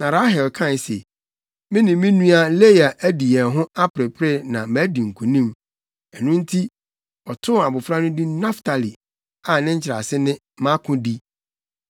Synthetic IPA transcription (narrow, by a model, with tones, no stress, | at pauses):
nã˨ɾa˦ɦɛ˨lkʰã˦n˨sḛ˨ | mɪ̃˦nɪ̃˨mːɪ̃˦nũ˦a˨˦le˦ja˨ʔæ˦di˨ɛ̃˨ɦʊ̃˦a˦pɾɪ˨pʰɾɪ˦nã˨mæ˨˦di˨ŋ̩˨kʰũ˨nĩ˦m | ɛ˨nũ˦n̩˦tʰi˦ | ɔ˨tʰʊ˦a˨bʊ˨fɾa˦nʊ̃˦di˦na˦ftʰa˨li˨ | a˨nɪ̃˦ɲ̩˦t͡ɕʰɪɾa̰˨sɪ˦nɪ̃˦ | mã˦kʰʊ̃˦di˦